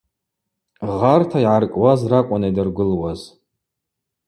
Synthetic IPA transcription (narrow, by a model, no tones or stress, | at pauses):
ʁartʰaiʕarkʼwazrakʷʼanajdɨrɡʷɨlwaz